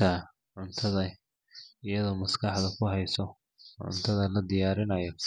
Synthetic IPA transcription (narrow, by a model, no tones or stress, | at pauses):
ɐ | ʕʊnt̪ʰɐðɐ | ɪjɐðɔːmɐskʰɑħd̪ɐkʰʊɦɛjsɔ | ʕʊ̰nt̪ʰɐðɐlɐd̪ɪjaːɾɪnɐjɔ